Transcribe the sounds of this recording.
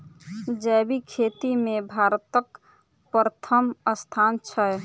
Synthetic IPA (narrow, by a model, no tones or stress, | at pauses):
d͡ʒəbikʰet̪imebʱaɾt̪ək | pɾət̪ʰəməst̪ʰant͡ʃʰə